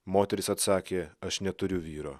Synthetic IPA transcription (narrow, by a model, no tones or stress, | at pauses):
moːt̪ʲɛɾʲɪsɐt̪sɑːkʲeːɐʃnʲɛt̪ʊɾʲʊʋʲiːɾo̰ː